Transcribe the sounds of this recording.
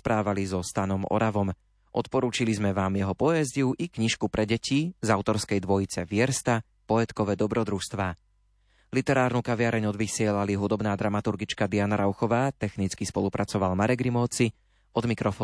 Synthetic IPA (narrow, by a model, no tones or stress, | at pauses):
pɾaːʋalizɔst̪anɔmɔ̰ɾaʋɔm | ʔɔt̪pɔɾuːt͡ʃilizmɛʋaːmjɛɦɔpɔjɛzɟiuʔikɲiʃkupɾʔɛɟɛcʰizaʊt̪ɔɾskɛjd̪ʋɔjit͡sɛʋɪɛɾst̪a | pɔɛt̪kɔʋɛd̪ɔbɾɔd̪ɾuʃst̪ʋaː | lit̪ɛɾaːɾnukaʋɪaɾɛɲɔd̪ʋisɪɛlaliɦud̪ɔbnaːd̪ɾamat̪uɾɡit͡ʃkad̪ianaɾaʊxɔʋaːt̪ɛxnit͡skispɔlupɾʔat͡sɔʋalmaɾɛɡɾimɔːt͡si | ɔd̪mikɾɔfɔː